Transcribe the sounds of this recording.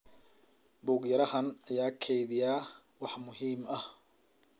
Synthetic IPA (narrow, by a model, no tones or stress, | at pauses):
bʊːɡjɐɾɐhɐnɐjaːkʰɛjðɪjaː | wɑħmʊɦiːmɐh